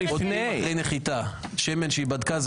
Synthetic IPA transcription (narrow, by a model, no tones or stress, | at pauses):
ioneejneχit̪aʃemenʃeibad̪kaz